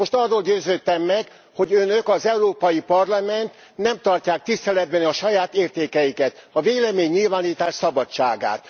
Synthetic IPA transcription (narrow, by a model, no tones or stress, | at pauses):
mo̞ʃt̪ɒrːoːlɟøːzøːt̪ːɛmːɛɡ | ho̞ɟønøkɒzɛuɾoːpɒjipɒrlɒmɛnt̪ | nɛmt̪ɒrcaːk̚t̪ist̪ɛlɛd̪̚bɛnɒʃɒjaːt̪eːrt̪eːkɛjikɛt̪ɒveːlɛmeːɲːilvaːniːt̪aːʃsɒbɒt͡ʃaːɡa̰ːt̪̚